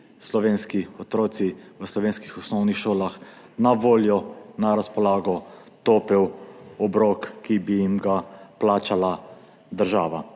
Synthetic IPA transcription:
slɔʋeːnskiɔt̪ɾoːt̪siʋəslɔʋeːnskixɔsnɔwnixʃoːlax | naʋoːljɔnaɾaspɔlaːɡɔ | t̪oːpɛwɔbɾokːibijimɡaplaːt͡ʃala | d̪əɾʒaːʋa

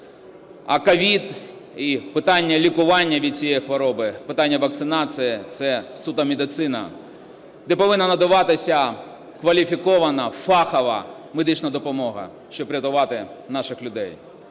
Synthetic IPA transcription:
ɐ̰kɐʋʲid̪ | ipɪt̪ɑnʲːɐlʲikʊʋɑnʲːɐʋʲid̪̚t͡sʲijɛjxʋɔɾɔbɪpɪt̪ɑnʲːɐʋɐk̚t̪sɪnɑsɨjit̪sɛsut̪ɐmʲed̪ɪt̪sɪnɐ̰ | d̪ɛpɔʋɪnːɐnɐd̪ɐʋɑt̪ɪsʲɐ | kʋɐlʲifʲikɔʋɐnɐfɑxɐʋɐ̰ | med̪ɪt͡ʃnɐd̪ɔpɔmɔɦɐ̰ | ʃt͡ʃɔbpɾʲɐt̪ʊʋɑt̪ɪnɑʃɪxlʲʊd̪ɛj

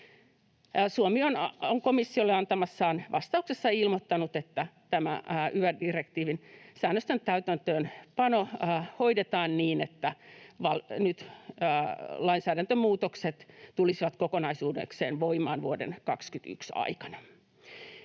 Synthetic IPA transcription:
suomionoŋkomisːiolːeɑnt̪ɑmɑsːɑːnʋɑst̪ɑuksesːɑilmot̪ːɑnut̪et̪ːæt̪æmæ̰yʋædirekt̪iːʋinsæːnːøst̪ent̪æyt̪ænt̪øːnpɑnohoidet̪ɑːnniːnet̪ːæʋɑlnyt̪ː | lɑinsæːdænt̪ømuːt̪okset̪t̪ulisiʋɑt̪kokonɑisuːdḛksḛːnʋoimˑɑ̰ːnʋuodḛnkɑkskyt̪y̰ksɑ̰ikɑ̥nɑ

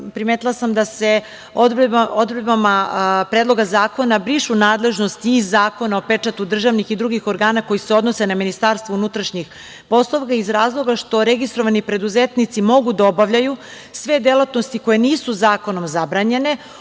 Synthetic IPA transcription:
pɾimet̪ilˠasamd̪ase̞ | od̪od̪bebamapɾeːd̪lˠo̞ɡazaːko̞nabɾiʃunaːd̪le̞ʒno̞st̪ːzːaːko̞nao̞pet͡ʂat̪ud̪r̩ʒaʋnixid̪ɾuɡixo̞ɾɡaːnako̞jiseo̞d̪no̞se̞naminist̪aɾst̪ʋounut̪ɾaʃɲix | po̞slˠoʋkaizɾaːzlˠo̞ɡaʃt̪o̞ɾeɡist̪ɾo̞ʋanipɾe̞d̪uzet̪nit̪simo̞ɡud̪ao̞baʋʎaju | sʋe̞d̪elat̪nost̪iko̞je̞niːsuzaːko̞no̞mzabɾaɲe̞ne̞

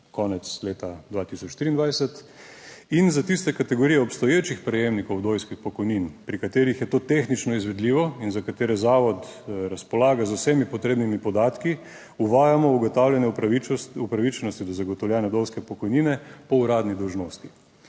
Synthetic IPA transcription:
kɔːnɛt̪sleːt̪ad̪ʋaːt̪isɔt͡ʃʃt̪ɾiːnd̪ʋajsɛt̪ | inzat̪ist̪ɛkat̪ɛɡoɾijɛɔpst̪ɔjeːt͡ʃixpɾɛjeːmnikɔwd̪oːjskixpɔkɔjninpɾikat̪eːɾixjɛt̪oːt̪exnit͡ʃnɔizʋɛd̪liːʋɔinzakat̪eːɾɛzaːʋɔt̪ɾaspɔlaːɡazʊwsɛmipɔt̪ɾeːbnimipɔd̪aːt̪ki | uʋaːjamɔuɡɔt̪awlʲjɛnjɛiupɾaʋit͡ʃnɔst̪id̪ɔzaɡɔt̪ɔwlʲjɛːnjad̪owskɛpɔkɔjniːnɛpɔuɾaːd̪nid̪ɔwʒnoːst̪i

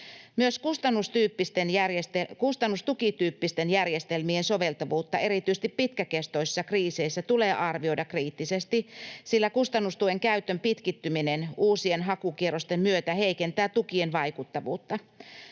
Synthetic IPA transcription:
myøskust̪ɑnːust̪yːpːist̪enærjest̪ekust̪ɑnːust̪ukit̪yːpːist̪enjærjest̪elmiensoʋelt̪ɑʋuːt̪ːɑe̞ɾit̪yst̪ippit̪kækest̪oisi̥sːɑkriːseisːæt̪uleːʔɑrʋio̞jdɑkriːt̪ːisest̪isilːækust̪ɑnːust̪ueŋkæyt̪ːømpit̪kit̪ːyminenuːsienɦɑkukierost̪emmyøt̪æheikent̪æːt̪ukienʋɑikut̪ːɑʋṵːt̪ːɑ

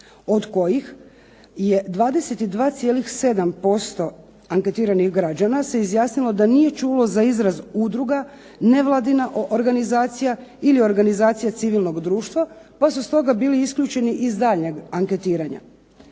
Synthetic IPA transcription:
o̞d̪ko̞jix | je̞d̪ʋaːd̪ese̞t̪id̪ʋaːt̪sijeːlixse̞d̪ampo̞st̪o̞ | aŋket̪iːɾanixɡɾad͡ʒanase̞izjaːsnilo̞d̪anije̞t͡ʃulo̞zaizɾazud̪ɾuɡa | ne̞ʋlˠad̪inaʔoɾɡanizaːt̪sijailio̞ɾɡanizaːt̪sijat̪siʋilˠno̞ɡd̪ɾuːʃt̪ʋapasust̪o̞ɡabiːliiskʎʲuːt͡ʃe̞niʔizd̪aːʎɲeɡaŋke̞t̪iːɾaɲa̰

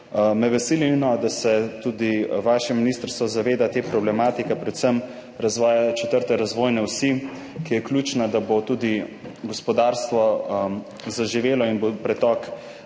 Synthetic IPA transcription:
mɛʋɛsilinɔd̪asɛt̪uːd̪iʋaːʃɛminist̪əɾst̪ʋɔzaʋeːd̪at̪eːpɾɔblɛmaːt̪ikɛpɾɛt̪səm | ɾazʋɔːjat͡ʃɛt̪əɾt̪ɛɾazʋoːjnɛwsi | kijɛklʲuːt͡ʃnad̪abot̪uːd̪iɡɔspɔd̪aːɾst̪ʋɔ | zaʒiʋeːlɔinbopɾɛt̪ɔk

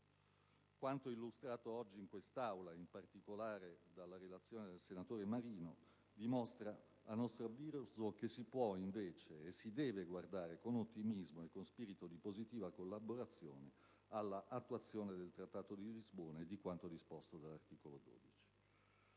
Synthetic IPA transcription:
kwant̪oilːust̪ɾaːt̪oɔd͡ʒːiːŋkwest̪awlaimpart̪ikolaːɾed̪alːaɾelat̪sːjoːned̪elsenat̪oːɾemaɾiːno | d̪imost̪ɾa | anɔst̪ɾaviːɾuzokesːipwɔiɱveːt͡ʃeːsːid̪ɛːveɡward̪aːɾekonot̪ːimizmoekːonspiːɾit̪od̪ipozit̪iːvakolːaboɾat̪sːjo̰ːne | alːaʔːt̪ːuat̪sːjoːned̪elt̪ɾat̪ːaːt̪od̪ilizboːnaed̪ikwant̪od̪ispost̪od̪alːart̪iːkolod̪o̰ːd̪it͡ʃi̥

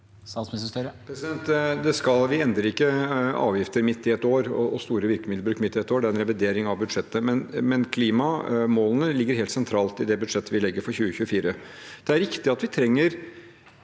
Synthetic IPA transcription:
sɑsmɪsəst̪œɾəpʰɾɛsɪd̪ɛnt̪d̪ɛskɑlʋɪɛnd̪ɾəɾɪkːəɑ̰ːʋjɪft̪əɾmɪt̪ːɪɛt̪oːɾɔ̰ɔst̪uːɾəʋɪɾkəmːd̪ləbɾʉːkmɪt̪ːɪɛt̪ːoːɖɛæɾɛnɾɛʋɪd̪eːɾɪŋɑʋbʉd̪ʂɛt̪ːəmɛnmɛnkʰliːmɑmoːlənəlɪɡːəɾɦeːlt̪sɛnt̪ʰɾɑːlt̪ɪd̪ɛbʉd̪ʂɛt̪ːəʋɪlɛɡːəɾfɔɾçʉːəçʉːəfiːɾəd̪̥ɛæɾɪkt̪ɪɑt̪ʋɪt̪ʰɾɛŋːəɾ

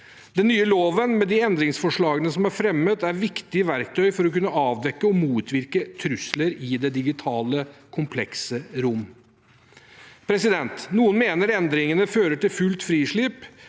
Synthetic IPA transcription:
d̪̥ɛnːyːəloːʋənmɛd̪ɪɛnd̪ɾɪŋsfɔʂɭɑːɡənəsɔmæɾfɾɛmːət̪æɾʋɪkt̪ɪʋæɾkt̪ʰœʏfɔɾɔkʉnːəɑːʋd̪ɛkːəɔmuːt̪ʰʋɪɾkət̪ʰɾʉsləɾɪd̪ɛd̪ɪɡɪt̪ʰɑːləkʰʊmpʰlɛksəɾʊmː | pʰɾɛsɪd̪ɛnt̪nuːənmeːnəɾɛnd̪ɾɪŋənəføːɾəʈɪlfʉlt̪fɾiːʂɭɪp

